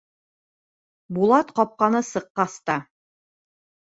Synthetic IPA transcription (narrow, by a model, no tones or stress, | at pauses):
bulˠɑt̪qɒp̚qɑnɤsɤ̆qːɑst̪ɑ